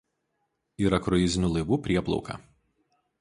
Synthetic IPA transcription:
iːɾɐkɾɔjɪzʲɪnʲuːlˠɐɪʋuːpʲɾʲiɛplˠɔ̰ʊkɐ̰ː

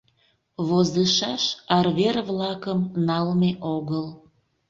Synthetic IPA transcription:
βozəʃɑʃɑrβerβlɑkəmnɑlmeʔoɣəl

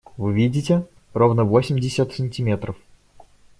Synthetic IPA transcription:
vɨvʲidʲɪtʲɪ | ro̞vnəvosʲɪmʲdʲɪsʲət̪sənʲtʲɪmʲet̪ɾəf

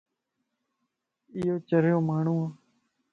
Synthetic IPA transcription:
ɪːɦoːt͡ʃəɾjoːmaːɳ̤ũːaː

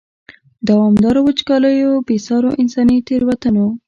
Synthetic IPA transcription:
d̪awɑmd̪ɑɾawət͡ʃkɑləjobesɑɾoʔɪnsɑnit̪eɾwat̪əno

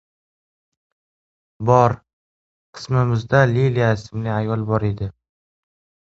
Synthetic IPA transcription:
bɒɾ | qʰɨ̥smɪmɪzd̪alilijaɪsɪmlɪajɒlˠbɒɾed̪ɪ

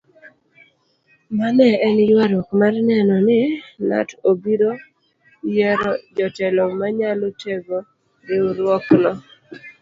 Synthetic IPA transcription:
manɛɛnjwaɾɔkmarnɛnɔnɪna̰tobiɾo | jɛɾɔd͡ʒɔtɛlɔmaɲaloteɡo | dɪuɾwɔknɔ

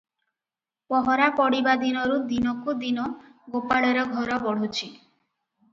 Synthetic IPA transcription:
pɔɦɔɾapɔɽibad̪inɔɾud̪inɔkud̪inɔɡopaɭɔɾɔɡʱɔɾɔbɔɽ̤ut͡ʃʰi

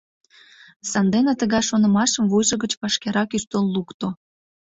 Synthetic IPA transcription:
sɑnd̪enet̪əɣɑjʃonə̆mɑʃəmvujʒə̆ɣət͡ɕpɑʃkeɾɑkyʃt̪olːukt̪o

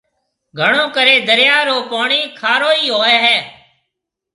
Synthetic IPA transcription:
ɡʱəɳõːkəɾeːd̪əɾjaːɾoːpaːɳiːkʰaːɾoːiːɦoːɛːɦɛː

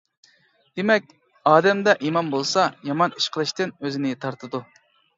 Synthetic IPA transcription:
d̪̥emɛk̚ʲ | ɑːd̪ɛmd̪ɛʔimɑnbolˠsɑjɑmɑni̥ʃqʰəlˠɨʃt̪ɪnøzɪnɪt̪ʰɑɾt̪ʰɨd̪u

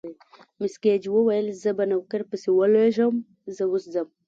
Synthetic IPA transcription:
misked͡ʒiwowajlzabanawkəɾpəsiwaloʒam | zawusd͡zam

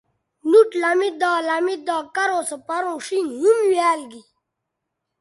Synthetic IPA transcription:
nuʈlamid̪aːlamid̪aːkɐɾoːsepaɾõːʂinɦumwjaːlɡi

